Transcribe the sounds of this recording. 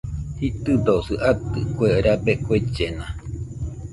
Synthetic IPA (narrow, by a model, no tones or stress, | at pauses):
hit̪ɨd̪osɨʔat̪ɨkʷeʔɾabekʷet͡ʃena